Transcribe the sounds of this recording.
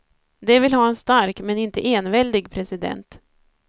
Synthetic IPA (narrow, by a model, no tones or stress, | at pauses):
d̪ɛvɪlɦɑːɛnst̪aɾkmɛnɪnt̪əʔeːnvɛld̪ɪɡpʰɾɛsɪd̪ɛ̰nt̪